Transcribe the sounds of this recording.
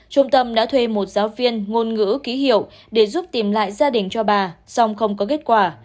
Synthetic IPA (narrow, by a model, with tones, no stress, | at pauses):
t͡ɕʊ˧ŋ͡mt̪ə˧mɗa̰ː˧˥t̪ʰwe˧mo˨˩t̚z̥aː˨˦wvi˧ənŋo˧nŋɨ̰˧˥ki˨˦ɦḭ˧˨əw | ɗe˧˩zu˦˥p̚t̪i˨˩mla̰ː˧˨jzaː˧ɗï˨˩ŋ̟t͡ɕɔ˧ɓaː˨˩sa˧wŋ͡mxə˧wŋ͡mkɔ˨˦ke˦˥t̚kwaː˧˩